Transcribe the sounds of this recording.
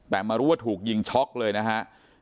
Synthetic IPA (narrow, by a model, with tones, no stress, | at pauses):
t̪ɛː˨˩maː˧ɾuː˦˥wa˥˩t̪ʰuː˨˩k̚ji˧ŋt͡ɕʰɔ˦˥k̚lɤː˧jna˦˥kʰa˦˥ʔ